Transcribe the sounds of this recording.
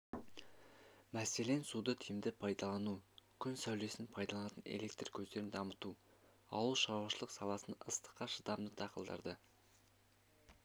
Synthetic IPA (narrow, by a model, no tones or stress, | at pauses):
mæse̞le̞nsud̪ət̪ʰijɪmd̪ɪpʰɑjd̪ɑlˠɑnukʲʰʏnsæwle̞sɪnpʰɑjd̪ɑlˠɑnɑt̪ənḛle̞k̚t̪rkʲʰɵzd̪e̞ɾɪnd̪ɑmət̪u | ɑ̰wəlˠʃɑɾwɑʃəlˠəqsɑlˠɑsənəst̪ə̥qːɑʃəd̪ɑmd̪ət̪ʰɑqəlˠd̪ɑ̰ɾd̪ə